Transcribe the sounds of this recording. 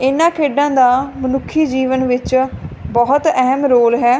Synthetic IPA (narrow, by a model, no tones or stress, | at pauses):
ɪnːãːkʰeːɖãːd̪aːmənʊkʰːiːd͡ʒiːʋənʋɪt͡ʃbɔːʊt̪ɛɦmɾoːlɦɛː